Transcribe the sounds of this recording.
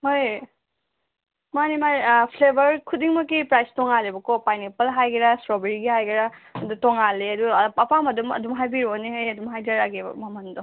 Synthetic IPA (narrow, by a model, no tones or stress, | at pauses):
hoj | manimapʰlebɐɾkʰudiŋmɐkipɾajstɔŋalebɐkopajnepɐlɦajɡiɾasɾobeɾiɡiɦajɡiɾaɐdutɔŋaleɐduɐpʰamɐdumɐ̰dumɦajbiɾoneɦejɐdumɦajdaɾaɡebɐ̰mamɐndɔ